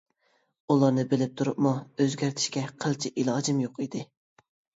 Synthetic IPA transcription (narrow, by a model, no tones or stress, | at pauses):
ulˠɑɾnɨbɪlɪp̚t̪ʰuɾʊ̰pmuøzɡʲæɾt̪ʰɪ̥ʃkʲɛqʰəlˠt͡ʃʰɪʔilˠɑːd͡ʒɪmjoqid̪ɪ